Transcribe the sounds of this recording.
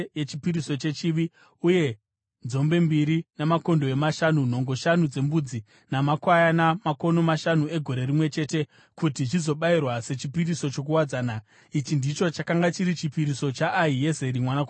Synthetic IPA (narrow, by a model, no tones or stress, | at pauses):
jet͡ʃipiɾiso̞t͡ʃe̞t͡ʃiʋi | uje̞ | nd͡zzo̞mbe̞mbiɾinamako̞ndo̞e̞maʃanun̤o̞ŋɡo̞ʃanud͡ze̞mbud͡zi | namakwajanamako̞no̞maʃanue̞ɡʱo̞ɾe̞rimwe̞t͡ʃe̞te̞ | kutit͡ʃizo̞ɓairwase̞t͡ʃipiɾiso̞t͡ʃo̞k̬uwad͡zaːna | it͡ʃindit͡ʃo̞t͡ʃakaŋɡat͡ʃiɾit͡ʃipiɾiso̞t͡ʃaʔːije̞ze̞ɾimwanako